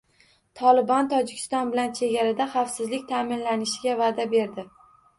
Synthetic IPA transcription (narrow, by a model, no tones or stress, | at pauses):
t̪ʰɒlɪbɒnt̪ʰɒd͡ʒɪkʲʰɪ̥st̪ɒnbɪlant͡ʃʰe̞ɡʲaɾad̪aχafsɪzlɪk̚ʲt̪ʰamɪnlanɪʃɪɡʲavad̪abe̞ɾd̪ɪ